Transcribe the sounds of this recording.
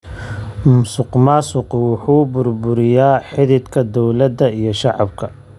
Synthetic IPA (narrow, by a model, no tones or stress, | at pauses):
mʊsʊqmaːsʊqwʊħuːbʊrbʊɾɪjaːħɪðɪd̪kʰɐd̪ɔwlɐd̪ɐijɞʃɑʕɑ̰bkʰɐ